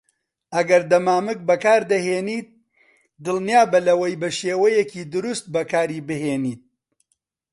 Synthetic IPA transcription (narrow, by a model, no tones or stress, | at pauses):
ʔɐɡɐɾd̪ɐmaːmɨk̚bɐkaːɾd̪ɐɦeːniːt̪̚ | d̪ɨlˠnijaːbɐlɐwɐjbɐʃeːwɐjɛkiːd̪ʊɾust̪̚bɐkaːɾiːbɨɦeːniːt̪̚